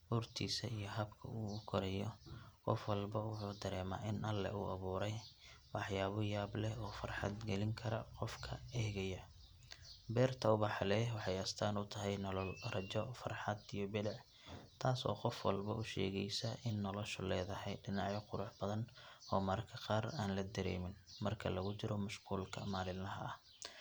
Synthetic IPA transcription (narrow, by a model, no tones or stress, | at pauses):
ʔʊrt̪ʰiːsɐijɞɦɐbkʰɐ̰uːʊkʰɔɾɛjɔqɔ̰fwɑlbɐwʊħuːd̪ɐɾɛːma̰ːʔɪnʔɐlːɛ̰uːʔɐβuːɾɛjwɑħjaːβɔjaːblɛɔːfɐrħɑ̰d̪ɡɛlɪŋkʰɐɾɐqɔfkʰɐɛːɣɐjɐ | bɛːrt̪ʰɐʊβɑħlɛwɑħɑjɐst̪ʰaːnʊt̪ʰɐɦɛjnɔlɔlrɐt͡ʃɔfɐrħɑd̪ijɔbɪdɑʕ | t̪ʰaːsɔ̰ːqɔfwɑ̰lbɐ̰ʔʊʃɛ̰ːɣɛjsɐʔɪnːɔlɔʃʊlɛːðɐhɛjɖɪnɑʕjɔqʊɾʊħbɐðɐnɔːmɐɾkʰɐqɑːraːnlɐd̪ɐɾɛ̰ːmɪnmɐrkʰɐlɐɣʊt͡ʃɪɾɔmʊʃquːlkʰɐmaːlɪlnɐɦɐ̰ɐh